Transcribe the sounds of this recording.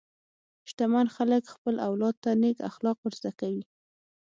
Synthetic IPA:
ʃt̪amanxaləkxpəlʔawlɑd̪̚t̪ːaneka̰xlɑq̚wəɾzd̪akawi

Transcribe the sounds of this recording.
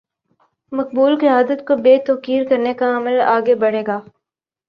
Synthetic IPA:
mɐk̚buːlqɪaːd̪ət̪kobeːt̪ɔːkiːɾkɐɾnekaɐməlaːɡebɐɽ̤eːɡaː

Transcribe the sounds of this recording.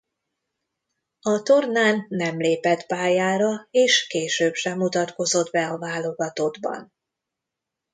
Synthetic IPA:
ɒt̪o̞rnaːnːɛmleːpɛt̪paːjaːɾɒeːʃkeːʃøːbʃɛmːut̪ɒt̪ko̞zo̞d̪bɛɒvaːlo̞ɡɒt̪o̞d̪bɒ̰n

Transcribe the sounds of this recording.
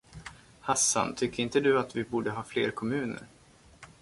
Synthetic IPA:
hasːa̰nt̪ʰʏkːəɾɪnt̪əd̪ɵat̪vɪbuːɖəɦɑːflḛːɾkʰɔmʉ̟ːnə̰ɾ

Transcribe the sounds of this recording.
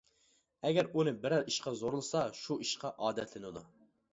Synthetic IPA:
ɛɡʲɛɾunɨbɪɾæɾiʃqɑzoɾulˠsɑʃuʔiʃqɑʔɑːd̪ɛt̪ʰlɪnɪd̪u

